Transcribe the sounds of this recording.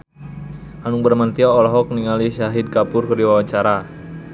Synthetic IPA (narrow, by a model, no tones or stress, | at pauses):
ʔanuŋ̚bərmant̪iaɔlɔɦɔk̚niŋaliʃaɦid̪̚kapʊrkərdiwawat͡ʃaɾa